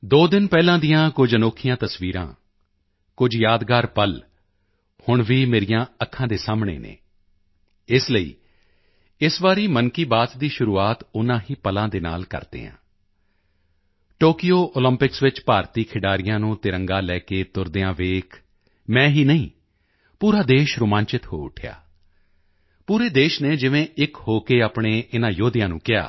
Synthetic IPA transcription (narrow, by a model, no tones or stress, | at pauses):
d̪oːd̪ɪnpɛːlãːd̪ijãːkʊd͡ʒənoːkʰɪjãːt̪əsʋiːɾã̰ː | kʊd͡ʒjaːd̪ɡaːɾpəl | hʊɳʋiːmeːɾɪjãːəkʰːãːd̪eːsaːmɳḛːnḛː | ɪsləḭː | ɪsʋaːɾiːmənkiːbaːt̪d̪iːʃʊɾuːaːt̪ʊnãːɦiːpəlãːd̪eːna̰ːlkə̰ɾd̪ḛːã̰ː | ʈoːkɪjoːʔoːləmpɪksʋɪt͡ʃpaːɾt̪iːkʰɪɖaːɾɪjãːnũːt̪ɪɾəŋɡãːlɛːkeːt̪ʊɾd̪eːãːʋeːk | mɛ̃ːɦiːnəĩː | puːɾaːd̪eːʃɾʊmãːɲt͡ʃɪt̪ho̰ːʊ̰ʈʰja̰ː | puːɾeːd̪eːʃneːd͡ʒɪʋẽːʔɪkhoːkeːaːpɳeːʔɪnãːjoːd̪ɪjãːnũːkɪja̰ː